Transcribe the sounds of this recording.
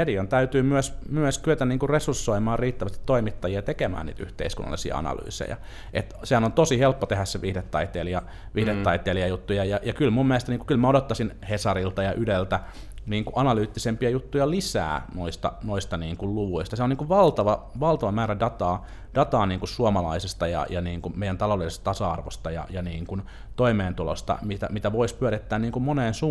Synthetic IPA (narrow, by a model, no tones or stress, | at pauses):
ediont̪æyt̪yːmyøsmyøskyøt̪ænniːŋkurresursːoimɑːrriːt̪ːæʋæst̪i̥t̪toimit̪ːɑjiɑt̪ekemæ̰ːnnḭːt̪y̰ht̪ḛiskṵnːɑ̰lːˑḭsiɑ̰ɑ̰nɑ̰ly̰ːsḛjɑ̰ | ʔet̪sehænont̪osihelpːot̪ehæsseʋihdet̪ːɑit̪eːliɑ | ʋihdet̪ːɑit̪ˑeːliɑjut̪ːujɑjɑjɑkylmumːielest̪ɑniːkukylmæodot̪ːɑsinhesɑrilt̪ɑjɑʔydelt̪æ | niːŋkuʔɑnɑlyːt̪ːisempiɑjut̪ːujɑlisæ̰ːnoist̪ɑ̰noist̪ɑniːŋkulluʋuist̪ɑseoniːŋkuʋʋɑlt̪ɑʋɑʋɑlt̪ɑʋɑmæːɾædɑt̪ɑː | d̥ɑt̪ɑːniːŋkussuomɑlɑisest̪ɑjɑ̰jɑniːŋkummeijænt̪ɑlolisest̪ɑt̪ɑsɑɑrʋo̰st̪ɑjɑ̰jɑniːŋkun | t̪oimeːnt̪ulo̰st̪ɑ̰mit̪æ̰mit̪æʋoispyæɾit̪ːæːnniːŋkummoneːnsuː